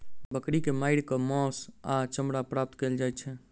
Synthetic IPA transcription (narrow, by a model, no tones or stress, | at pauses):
bəkɾikemaɪɽkɔmɔsat͡ʃəmɽapɾap̚t̪keld͡ʒajt̪t͡ʃʰɛ